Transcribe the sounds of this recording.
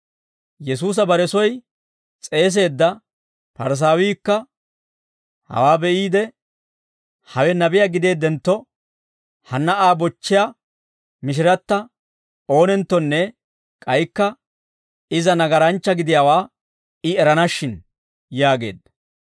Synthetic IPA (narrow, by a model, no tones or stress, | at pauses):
jɛs̬uːs̬ɐbɐɾɛsɔj | t͡sʼe̞ːs̬e̞ːd̪ːɐ | pɐɾs̬aːwiːkːɐ | hɐ̰waːbɛʔiːd̪ɛ | hɐwɛnɐbɪjaɡɪd̪e̞ːd̪ːɛnt̪ːɔ | hɐnːɐʔaːbɔt͡ʃːɪja | mɪʃ̬ɪɾɐt̪ːɐ | o̞ːnɛnt̪ːɔnːɛ | kʼɐjkːɐ | ɪzɐnɐɡɐɾɐnt͡ʃːɐɡɪd̪ɪjawaː | ɪɛɾɐnɐʃːɪn | jaːɡe̞̰ːd̪ɐ